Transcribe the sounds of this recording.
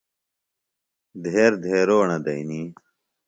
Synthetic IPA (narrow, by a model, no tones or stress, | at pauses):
d̪ʱeːɾd̪ʱeːɾoːɳɐd̪ɐini